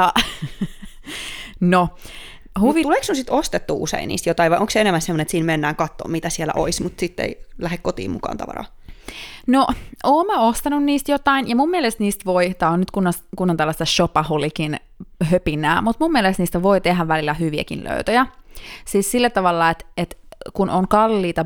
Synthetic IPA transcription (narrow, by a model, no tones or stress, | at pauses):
ɑ | no | huʋit̪uleːksnusit̪ost̪et̪ːuːʔṵsḛinḭːst̪jot̪ɑiʋɑiʔõŋkseenemːænsemonet̪siːnmenːæːŋkɑt̪ːo̰ːmit̪æsielæ̰ʔo̰ismut̪sit̪ːḛilæhekkot̪ḭːmmṵkɑ̰ːnt̪ɑ̰ʋɑ̰rɑ̰ː | noʔoːmmæost̪ɑnunniːst̪jot̪ɑinjɑmummːielest̪niːst̪ʋoit̪ɑonnyt̪kunːɑskunːont̪ælːɑst̪ɑʃopɑhulikin | høpinˑæːmut̪mummielest̪niːst̪æʋoit̪eɦæʋʋælilːˑæhyʋiæ̰kḭnlø̰yt̪æjæsiːssilːæt̪ɑʋɑlːɑet̪et̪kunʔoŋkɑlːiːt̪ɑ